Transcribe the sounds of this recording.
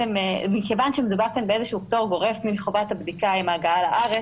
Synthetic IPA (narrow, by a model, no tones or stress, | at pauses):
ememikevanʃemedubaʁkenbeezeʃuuːktoʁɡo̞ʁefmileχovathabd̪ikaimaːɡaalaʔaʁe